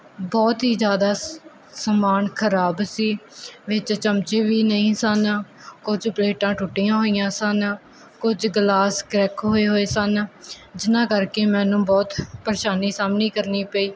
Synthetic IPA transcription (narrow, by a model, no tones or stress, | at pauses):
bɔːt̪ɦiːd͡ʒjaːd̪aː | səmaːnkʰəɾaːbsiːʋɪt͡ʃt͡ʃəmt͡ʃeːʋiːnəĩːsən | kʊd͡ʒpleːʈãːʈʰuːʈːijãːɦoːijãːsən | kʊd͡ʒɡlaːskɾɛkɦoːeːɦoːeːsənd͡ʒɪnãːkəɾkeːmɛ̃ːnũːbɔːt̪pəɾeːʃaːniːsaːmniːkəɾniːpəiː